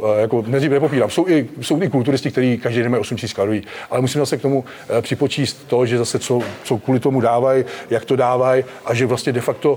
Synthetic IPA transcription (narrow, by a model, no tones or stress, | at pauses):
jako̞nɛziːvnɛpopiːɾaːmso̞wɪso̞wt̪ɪkult̪̬uɾɪst̪ɪkt̪ɛɾiːkaʒdejdɛnmajosumcisiːsklaɾojiːʔalɛmusimzasɛkt̪o̞mu | pr̥ɪpo̞t͡ʃiːst̪ːo̞ʒɛzasɛt͡so̞t͡so̞kʋuːlɪt̪o̞mudaːvajjakt̪o̞daːvaj | ʔaʒɛvlast̪ɲɛdɛfakt̪o̞